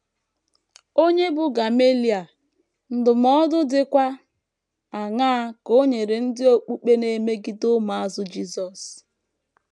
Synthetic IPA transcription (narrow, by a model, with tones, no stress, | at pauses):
o˦ɲe˦bʊ˨ɡa˨me˦li˨a˨ | n̩˦dʊ˨m̩ɔ˦dʊ˦dɪ˦kʷa˦ | a˨ŋa˦ko˦ɲe˨ɾe˨n̩˦dɪ˦o˦k͡pu˦k͡pe˦ne˨me˦ɡi˦dʊ˦ma˨a˦zʊ˦d͡ʒi˦sɔ˨s